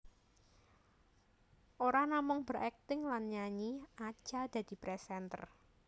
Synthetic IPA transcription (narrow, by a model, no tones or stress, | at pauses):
ʔoɾanamʊŋb̥ərʔɛk̚t̪ɪŋlanɲaɲiḁʒ̥ad̪̥ä̤d̪̥i̤pɾɛsɛnt̪ə̰r